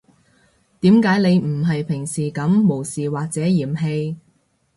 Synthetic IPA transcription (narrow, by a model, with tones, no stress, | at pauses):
t̪iː˨˥mkaː˨˥jne˨˧jm̩˨˩ɦɐ˨jpʰɪ˨˩ŋsiː˨kɐ˨˥mːo˨˩wsiː˨˩waː˨k̚t͡sɛː˨˥jiː˨˩mɦe˧j